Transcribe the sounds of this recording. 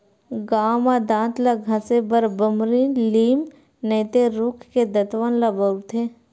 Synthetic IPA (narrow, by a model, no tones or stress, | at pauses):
ɡaːmad̪ãːt̪laɡʱɐ̃sebəɾbəmɾiliːm | neːt̪eɾuːkʰked̪ət̪ʋənlabət̪ʰeː